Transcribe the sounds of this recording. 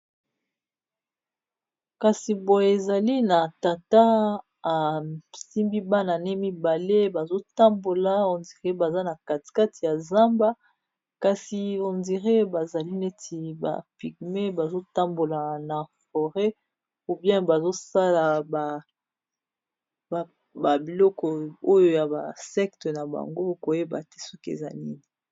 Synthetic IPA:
ka˨si˨bo˨e˨za˨li˦na˨ta˨ta˦ | a˨si˦mbi˦ba˦na˨ne˦mi˦ba˨le˦ba˨zo˦ta˦mbo˨la˨o˨ndi˨ʁe˦ba˨za˦na˨ka˨tka˦ti˨ja˨za˦mba˦ | ka˨si˨o˨ndi˨ʁe˦ba˨za˨li˦ne˦tʰi˨ba̰˨pi˨ɡ̚me˦ba˨zo˦ta˦mbo˨la˨na˨fɔ˨ʁɛ˦ | u˨bjɛ̃˦ba˨zo˦sa˦la˨ba˨ | ba˨ | ba˨bi˨lɔ˦kɔ˨o˦jo˨ja˨ba̰˨sɛ˦kte˨na˨ba̰˨ŋɡo˦ko˨je˦ba̰˨te̥˦sɔ˦kḛ˨za̰˨ni˦ni˨

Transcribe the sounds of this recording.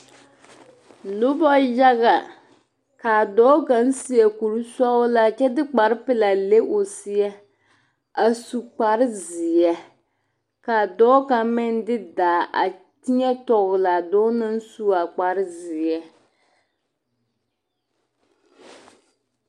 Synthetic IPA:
lʊ˦bɔ˦ja˦ɣa˨ | ka˨dɔː˨˦ka˨n̩˦si˦jɛ˨ku˨ɾu˦sɔ˦ʊ˦la˦t͡ʃɛ˦dɪ˦k͡pa˨ɾɪ˦pɪ˦la˨le˦ʔo˨si˦ɛ˦ | a˨su˨k͡pa˨ɾɪ˦zɪ˨jɛ˦ | ka˨dɔː˦ka˨mɪ˦n˦dɪ˦daː˨ʔa̰˨ | ti˦ɲɛ˦tɔ˨ɣʊ˨la˨dɔː˦nɨ˦n˦su˦a˨k͡pa˨ɾɪ˦zɪ˨jɛ˦

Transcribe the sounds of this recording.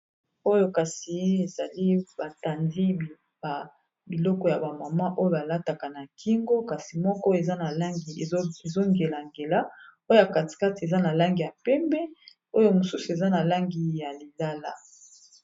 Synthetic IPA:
o˦jo˦ka˨si˨˦e˨za˨li˦ba˨ta˨ndi˦˨ | a˨ | bi˨lɔ˦kɔ˨ja˨ba˨ma˨ma˦ʔo˦jo˦a˨la˦ta˨ka˨na˨kʰi˦ŋɡo˦ka˨si˨mɔ˦kɔ˦e˨za˦na˨la˦ŋɡi˨e˨zo˦ŋɡe˨la˨ŋɡe˨la˦o˦jo˦ja˨ka˨ti̥˨ka˦te˨za˦na˨la˦ŋɡi˨ja˨pɛ˦mbɛ˦ | o˦jo˦mo˨su˦su˨e˨za˦na˨la˦ŋɡi˨ja˨li˨la˦la˦

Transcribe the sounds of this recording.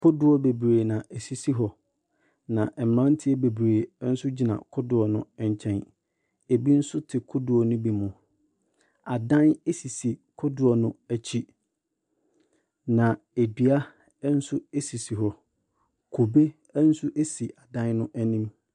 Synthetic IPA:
kʰʊ˦dʊ˨ɔ˦be˨bɾeː˨nã˨ʔe˨si˨si˦ɦɔ˨ | nã˨ʔɛ˨m˨ɾã˦n̩˦tʰɪ˦ɛ˦be˨bɾeː˨˦n̩˦sʊ˦d͡ʑi˨nã̰˨kʰʊ˦dʊ˨ɔ˨nʊ̃˦ɛ˨ɲ˨t͡ɕʰɛ̃˦n | e˨bi˦n̩˦sʊ˦tʰɪ˨kʰʊ˦dʊ˨ɔ˨nʊ̃˦bi˨˦mʊ̃˨ | a˨dã˦ne˦si˨si˨kʰʊ˦dʊ˨ɔ˨nʊ̃˦æ˨t͡ɕʰi˦ | nã˨ | e˨di˨a˦ | n̩˦sʊ˦e˦si˨si˨ɦɔ˨ | kʰo˨be˦ | n̩˦sʊ˦ʔe˦si˨ʔa˨dã˦nnʊ̃˦ʔæ˦nĩ˦m

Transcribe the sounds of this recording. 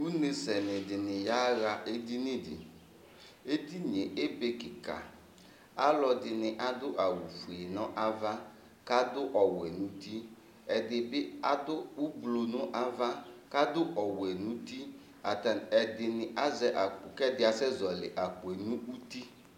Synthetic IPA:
u˦ne˨sɛ˨nɪ̃˨dɪ˨nɪ̃˨ja˦ɣa˨ʔe˦di˦nɪ̃˦dɪ̰˨ | e˦di˦n˨e˨ʔe˦be˦kɪ˨ka̰˨ | a˦lɔ˨dɪ˨nɪ̃˨ʔa˨dʊ˦ʔa˨wu˨fu˨e˨nɔ̃˦ʔa˦va˦ | ka˦dʊ˦ʔɔ˨wɛ˨nũ˦ti˦ | ɛ˨dɪ˨bɪ˦a˦dʊ˦u˦blo˨nʊ̃˦ʔa˦va˦ka˦dʊ˦ʔɔ˨wɛ˨nũ˦t̪i˦ | a˨tɛ˨dɪ˨nɪ˨ʔa˦zɛ˦ʔa˨kɛ˦dɪ˨a˨sɛ˦zɔ˨lɪ˨ʔa˨k͡pʊ˨e˨nũ˦u˦t̪i˦

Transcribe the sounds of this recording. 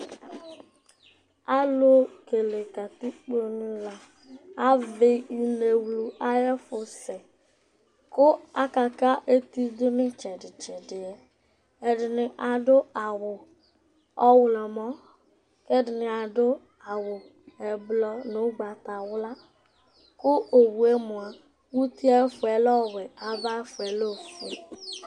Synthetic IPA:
a˦lo˦ke˨le˨ka˨ti˦k͡po˦nɪ˦la˨ | a˦ve˦i˨ne˨wlu˨a˦jɛ˦fʊ˨sɛ˨ | kʊ˦a˦ka˨ka˦ʔe˦ti˦dʊ˦nɪ˦t͡ʃɛ˨dɪ˨t͡ʃɛ˨dɪ˨ɛ˨ | ɛ˨dɪ˨nɪ˨ʔa˨dʊ˦a˨wʊ˨ | ɔ˦wlɔ˨mɔ˦ | kɛ˦dɪ˨nɪ˨a˨dʊ˦ | a˨wʊ˨ | ɛ˨blɔ˦nʊ˦ɡ͡ba˨t̪a˨wʊ˦la˦ | kʊ˦o˨wu˨e˦mʊ̃˨a˨ | wu˦t̪i˦a˦fʊ˨ɛ˨lɔ˦˨wɛ˨a˨va˦fʊ˨ɛ˨lo˦˨fṵ˨

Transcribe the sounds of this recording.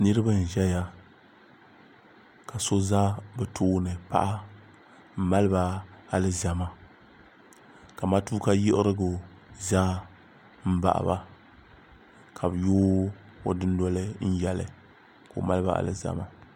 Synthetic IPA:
nɨ˦ɾɨ˦ba˦n̩˨ʒɛ˦ja˦ | ka˨so˦za˦bɛ˨tʰoː˦nɨ˨pa̰˦ʔa˦ | m̩˦ma˦lɨ˦ba˨a˨lɨ˦za˨ma˨ | ka˨ma˦tuː˦ka˦jɪ˦ʔɪ˦ɾɨ˦ɡʊ˨ | za˦ | m̩˦ba̰˨ʔa̰˨ba̰˨ | kʰa˨bjoː˦ | o˨dɨ˦n˦dɔ˦lɨ˦n̩˦jɛ˨lɨ̰˨ | ko̰˨ma˦lɨ˦ba̰˨ʔa̰˨lɨ̰˦za̰˦ma˨

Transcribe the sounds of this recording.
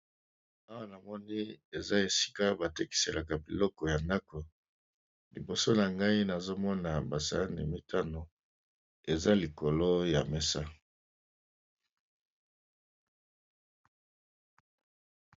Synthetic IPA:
a˦wa˦na˨mɔ˦ni˦e˨za˦e˨si̥˦ka˦ba˨te˦ki̥˨se˨lʔa˨ka˨bi˨lɔ˦kɔ˨ja˨nda˦ko˨ | lḭ˨bo˨so˦na˨ŋɡa˦i˦na˨zo˦mɔ˦na˨ba˨sa̰˨la˦nḭ˨mi˦tʰa˦no˨ | e˨za˦li˨ko˨lo˦ja˨me˦sa˦

